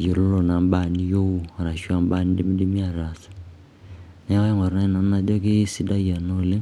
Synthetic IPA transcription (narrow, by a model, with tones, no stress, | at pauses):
ji˨lo˦lo˨na˨mba˦˨ni˦jo˦u˦˨ɾa˨ʃu˦a˦mba˦ni˦di˦mi˦di˦mi˦a˨ɾa˨sḁ˨ | na˦a˦ji˦ŋɔ˨ɾna˦i˦˨na˨˦na˦dɔ˦ki˦si˦da˦ja˨no˦le˦